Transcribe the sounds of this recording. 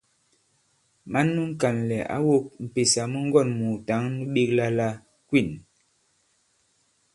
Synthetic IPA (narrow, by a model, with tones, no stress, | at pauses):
ma˨˦nːu˦ŋ̩˦ka˨nlɛ˨ʔa̰˦wo˦k̚m̩˨pe˨sa˨mə˦ŋ̩˦ɡɔ˦˨nmu˨ta˨˦ŋnu˦ɓi˦k̚la˦la˦ | kwi˦˨n